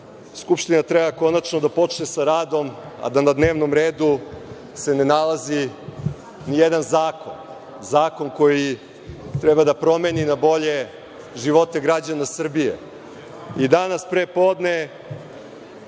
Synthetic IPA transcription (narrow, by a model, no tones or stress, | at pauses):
skupʃt̪inat̪ɾebako̞nat͡ʃnod̪apo̞t͡ʃnesaɾaːd̪o̞m | a̰d̪anad̪neːʋno̞mɾeːd̪u | se̞nenalazi | nijed̪anzaːko̞n | zaːko̞nko̞ji | t̪ɾɛbad̪apɾo̞meninabo̞ʎe̞ | ʒiʋo̞t̪e̞ɡɾad͡ʑanasr̩bijḛ | id̪anaspɾepo̞ːd̪ne